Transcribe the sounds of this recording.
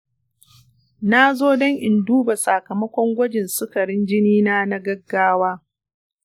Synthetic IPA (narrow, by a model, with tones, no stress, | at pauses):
na˦zoː˦dɔ˦ŋʔɪ˨nduː˦ba˨sa˨kɐ˨mɐ˦kʷɔ˦ŋɡʷɐ˦d͡ʒɪ˨nsʊ˦kɐ˨ɽɪ˦nd͡ʒɪ˦niː˦naː˦na˦ɡɐ˦ɡːaː˦waː˦